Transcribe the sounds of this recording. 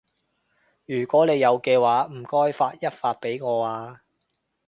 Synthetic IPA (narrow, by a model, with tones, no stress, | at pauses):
jyː˨˩kʷɔː˨˥ne˨˧jːɐ˨˧wkɛː˧waː˨˥m̩˨˩kɔː˥jfaː˧t̚jɐ˥t̚faː˧t̚pe˨˥jŋɔː˨˧aː˧